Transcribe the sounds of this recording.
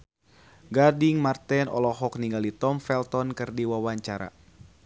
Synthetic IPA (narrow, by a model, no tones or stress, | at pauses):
ɡadiŋmart̪ɛnɔ̰lɔɦɔk̚niŋɡalit̪ɔmfɛlt̪ɔnkɨrdiwawaɲt͡ʃaɾa̰